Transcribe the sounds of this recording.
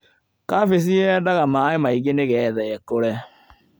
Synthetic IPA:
kafes̬iɛdaɣamaːemaiɣeneɣɛːðɛɛkoɾɛ

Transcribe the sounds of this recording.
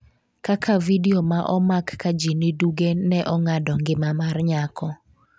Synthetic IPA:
kakʰavidiomaʔɔmakːad͡ʒiniduɡenɛʔɔŋadɔŋɡɪmamarɲakɔ

